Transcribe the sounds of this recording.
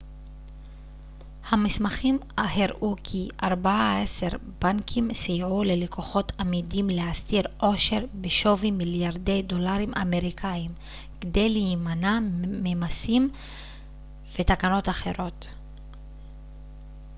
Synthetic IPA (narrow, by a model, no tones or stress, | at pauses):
hamismaχimaheʁʔukʰiʔaʁbaaeseʁbaŋkʰimsijʕulelikʰoχo̞t̪ʰamidimleast̪iʁʔo̞ʃe̞ʁbeʃo̞vimiljaʁde̞jd̪o̞laʁimʔa̰me̞ʁikʰaim | kd̪e̞jlimanamemasim | v̥e̞t̪akano̞taχe̞ʁo̞t